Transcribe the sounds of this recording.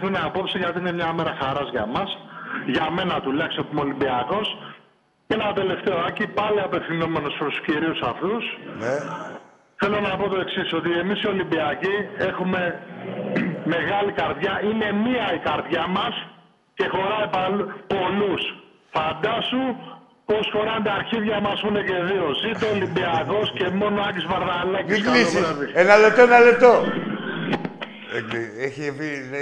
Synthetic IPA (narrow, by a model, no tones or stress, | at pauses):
xuneapo̞psiʝɐt̪iine̞mɲɐomeɾɐxaɾɐzʝɐmɐsʝɐme̞nɐt̪ulɐçst̪ot̪omo̞limbiɐko̞s | cenɐt̪e̞le̞ft̪e̞oɐcipɐliɐpe̞fθino̞me̞no̞spɾost̪u̥sciɾiusɐft̪us | θe̞lo̞nɐpo̞t̪o̞e̞ksiso̞t̪ie̞misio̞limbiɐcie̞xume̞ | me̞ɣɐlikɐɾðʝɐʔine̞miɐikɐɾðʝɐmɐs | ce̞xo̞ɾɐipɐlpo̞lus | fɐnd̪ɐsu | po̞sxo̞ɾɐnd̪ɐɾçiðʝɐmɐsune̞ce̞ðio̞zit̪olimbiako̞sce̞mo̞noɐɡizvɐɾðalɐcisɡlisevienɐlet̪oenɐlet̪o | eçipi